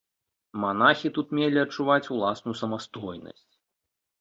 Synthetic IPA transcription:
manaxʲit̪ut̪mʲelʲiɐt͡ʂːuvat͡sʲulˠasnujusɐmast̪ɔjnɐ̰sʲt͡sʲ

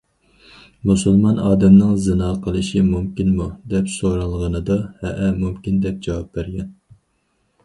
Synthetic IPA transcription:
musulˠmɑnɑːd̪ɛmnɨŋzɨnɑqʰəlˠɨʃimumkʲinmud̪ɛpsoɾɑlˠʁənɨd̪ɑhɛʔɛmumkʲind̪ɛp̚d͡ʒɑwɑp̚bæɾɡʲɛn

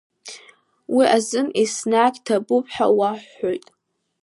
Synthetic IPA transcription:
wiʔazɨmisnaːɡʲʼtʰabʊpʰʼħa̰waħːojtʼ

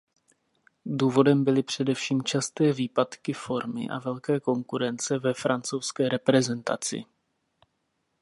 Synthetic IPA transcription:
duːvo̞dɛmbɪlɪpr̝̥ɛdɛfʃiːmt͡ʃast̪ɛːviːpat̪kɪfo̞ɾmɪ̰ʔa̰vɛlkɛːko̞ŋkuɾɛnt͡sɛvɛfɾant͡so̞wskɛːɾɛpɾɛzɛnt̪a̰t͡sɪ̰

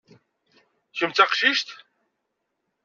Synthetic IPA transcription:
çəmt͡saqʃiʃt̪

